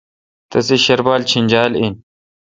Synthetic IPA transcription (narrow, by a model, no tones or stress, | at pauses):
t̪ɐsiɕɐɾbaːlt͡ɕʰinʲd͡ʑaːlin